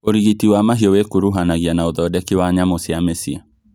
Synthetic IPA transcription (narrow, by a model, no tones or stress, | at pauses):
oɾiɣitiwamaɦiɔwekuɾuɦanaɣianaoðɔdɛkiwaɲamosiamɛsia